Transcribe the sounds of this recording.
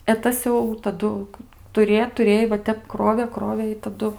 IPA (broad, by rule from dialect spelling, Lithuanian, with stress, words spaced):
ɛ ˈtɐs jɛʊ tɐˈdʊ tʊˈrʲeː tʊˈrʲeːj ʋɐ ˈtʲɛp ˈkroːʋʲeː ˈkroːʋʲeː ɪ tɐˈdʊ